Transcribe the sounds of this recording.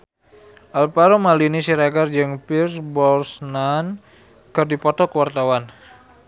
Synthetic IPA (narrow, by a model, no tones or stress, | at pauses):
ʔalpaɾomalinisiɾaɡard͡ʒəŋpirsbɔrsnan | kərdipɔt̪ɔkəwart̪awan